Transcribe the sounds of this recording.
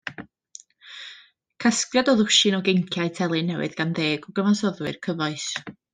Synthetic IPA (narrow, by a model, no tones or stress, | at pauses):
kʰaskjadɔðʊʃɪnɔɡejŋkʰjaɨtʰɛlˠɨnːɛwɨ̰ðɡ̥anðeːɡɔɡəvasɔðwɨrkʰəvɔɨs